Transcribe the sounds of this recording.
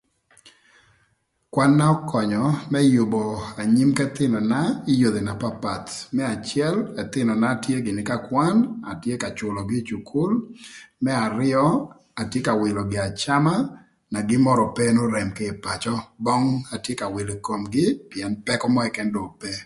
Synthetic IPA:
kwa˦nːa˦ɔ˦kɔ˨ɲɔ˨mɛ˦jʊ˨bɔ˨a˨ɲi˦mkɛ˦t̪ɪ˦nɔ˨na˦ɪ˦jo˨d̪e˨na˨pa˦pa˨t̪mɛ˦a˨t͡ʃjɛ˦lɛ˨t̪ɪ˦nɔ˨na˦˨tje˦ɡɪ˨nɪ˨ka˦kwa˦na˨tje˦ka˨t͡ʃʊ˨lɔ˨ɡɪ˦t͡ʃu˨kʰu˦lmɛ˦a˨ɾɪ˦ɔ˦ | a˨tje˦ka˨wɪ˨lɔ˨ɡɪ˨a˨t͡ʃa˦ma˦ | na˨ɡɪ˦mɔ˦ɾɔ˨pɛ˦no˦ɾɛ˨mkɪ˦ɪ˨pa˨t͡ʃɔ˦bɔ˦ŋa˨tje˦ka˨wɪ˨le˨ko˨mɡɪ˦pi˨ɛ˨npɛ˦kɔ˦mɔ˦ɛ˨kɛ˦ndɔ˨pɛ˦

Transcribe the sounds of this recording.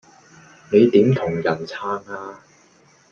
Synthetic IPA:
ne˨˧jt̪iː˨˥mt̪ʰʊ˨˩ŋjɐ˨˩nt͡sʰaː˥ŋaː˧

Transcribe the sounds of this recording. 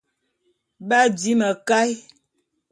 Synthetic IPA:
ba˦di˨˦mə˨ka˦j

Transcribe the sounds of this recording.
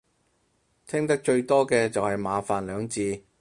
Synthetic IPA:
t̪ʰɪ˥ŋt̪ɐ˥k̚t͡ʃɵ˧ɥt̪ɔː˥kɛː˧t͡sɐ˨whɐ˨jmaː˨˧faː˨nlœː˨˧ŋt͡siː˧

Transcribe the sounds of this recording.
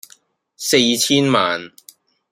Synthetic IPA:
se˧jt͡sʰiː˥nmaː˨n

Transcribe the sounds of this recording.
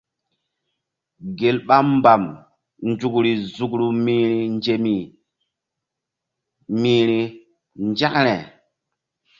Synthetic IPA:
ɡe˨lɓa˦mba˨m | nd͡ʒu˨kɾi˨zu˨kɾu˨mi˦ɾi˨nd͡ʒe˨mi˨ | miː˨ɾi˨ | nd͡ʒa˦kɾe˨

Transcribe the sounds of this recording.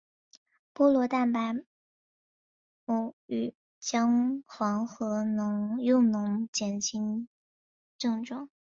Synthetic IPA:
pwɔ˥lwɔ˧˥t̪a˥˩npa˧˥ɪ | u˧˩y˨˩ | t͡ɕjɑ˥ŋxwɑ˧˥ŋxɤ˧˥nʊ˧˥ŋjʊ˥˩ŋnʊ˧˥ŋt͡ɕjɛ˨˩nɕʰi˧˥n | ʈ͡ʂɤ˥˧ŋʈ͡ʂwɑ˥˩ŋ

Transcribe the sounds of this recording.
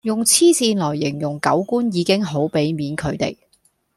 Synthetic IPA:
jʊ˨ŋt͡sʰiː˥siː˧nlɔː˨˩jːɪ˨˩ŋjʊ˨ŋkɐ̰˨˥wkuː˥njiː˨˧kɪ˥ŋɦo˨˥wpe˨˥jmiː˨nkʰɵ˨˧ɥt̪ḛ˨j

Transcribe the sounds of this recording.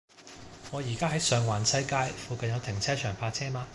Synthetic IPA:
ŋɔː˨˧jiː˨˩kaː˥ɦɐ˨˥jsœː˨ŋwaː˨˩nsʰɐ˨˥jkaː˧˥jfuː˨˧kɐ˨njɐ˨˧wt̪ʰɪ˨˩ŋt͡sʰɛː˥t͡ʃʰœː˨˩ŋfaː˧t͡sʰɛː˥maː˧

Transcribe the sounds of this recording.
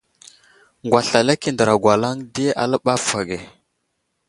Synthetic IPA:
ŋɡwa˨ɬa˨la˦ki˦˨ndə˨ɾa˨ɡwa˨la˦ŋdi˦a̰˨lə˦ɓa˦fa˨ɡe˨

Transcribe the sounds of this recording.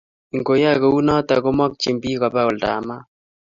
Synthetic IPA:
i˨ŋɡo˨ja˦ko˨u˦nɔ˦ta˨ko˦mɔ˦k̚t͡ʃi˨mbi˦kɔ˨ba˦ʊ˨lda̰˨ma˦

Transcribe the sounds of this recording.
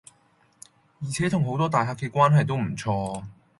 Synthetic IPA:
jiː˨˩t͡sʰɛː˨˥t̪ʰʊ˨˩ŋɦo˨˥wt̪ɔː˥t̪aː˨jɦaː˧kːɛː˧kʷwaː˥nɦɐ˨jt̪o˥wm̩˨˩t͡sʰɔː˧

